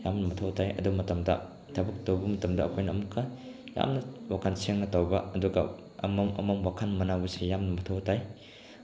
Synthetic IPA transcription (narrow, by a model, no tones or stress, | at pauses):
jamnɐmɐtʰawtʰajɐ̰duɡmɐtɐmdɐ̰ | tʰɐbɐk̚towbɐmɐtɐmdɐɐkʰojnɐɐmukʰːɐ | ja̰mnɐwakʰanseŋnɐtawbɐɐduɡɐ̰ | ɐ̰mɐmɐ̰mɐmwakʰanmɐnabɐsejamnɐmɐtʰawtʰaj